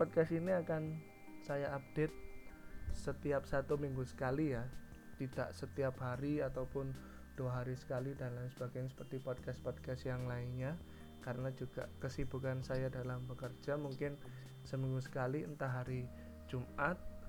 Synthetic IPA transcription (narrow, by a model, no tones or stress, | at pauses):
pɔd̚kasiniakan | sajaʔːp̚d̥et̪̚ | sət̪iap̚sat̪umiŋɡusə̥kalija | t̪id̥a̰ʔsət̪iapɦaɾiat̪awpʊn | d̥uaɦaɾisə̥kalidanlansəb̥aɡajasə̥pərt̪ipɔd̚kaspɔd̚kast̪jaŋlaɪnɲa | kaɾənad͡ʒuɡ̥a̰ʔkəsib̥ukansajadalambəkərd͡ʒamuŋkɪn | səmiŋɡusə̥kaliənt̪aɦaɾi | d͡ʒumat̪̚